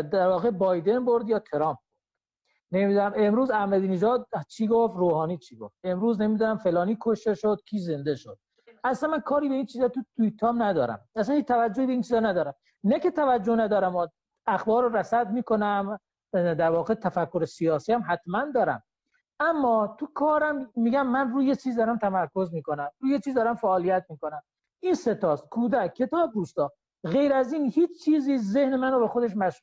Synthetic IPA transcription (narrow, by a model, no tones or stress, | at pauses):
d̪æɾvɒːɣe̞bɒjd̪e̞nboɾd̪jɒːt̪ʰeɾɒːmp̚bod̪ | nemiːd̪unæme̞mɾuːzæhmæd̪iːneʒɒːd̪̚t͡ʃʰiːɡoft̪ɾoːhɒːniːt͡ʃʰiːɡoft̪̚e̞mɾuːznemiːd̪unæmfe̞lɒːniːkʰoʃt̪e̞ʃod̪̚kʰiːze̞nd̪eʃod̪̥̚ | ʔæslænmænkʰɒːɾiːbe̞iːnt͡ʃʰiːzɒt̪ut̪ʰuit̪ʰːɒːmnæd̪ɒːɾæ̰mæsænhiːt͡ʃt̪ʰævæd͡ʒːoiːbeiːnt͡ʃʰiːzɒnæd̪ɒːɾæm | næket̪ʰævæd͡ʒːonæd̪ɒːɾæmɒ | æxbɒːɾoɾæsæd̪miːkonæm | d̪æɾvɒːɣet̪ʰæfækːoɾesijɒːsiːæmɦæt̪mænd̪ɒːɾæ̰m | ʔæmːɒːt̪ʰukʰɒːɾæmːiːɟæmːænruːjet͡ʃʰiːzd̪ɒːɾæmt̪ʰæmæɾkʰozmiːkonæmɾuːjet͡ʃʰiːzd̪ɒːɾæmfæʔːlijæt̪̚miːko̞næm | inse̞t̪ɒːst̪kʰuːd̪ækcʰːe̞t̪ʰɒːb̚d̪uːst̪ɒː | ɣe̞jɾæziːnhiːt͡ʃt͡ʃʰiːziːzehnemænobexod̪eʃmæʃɾu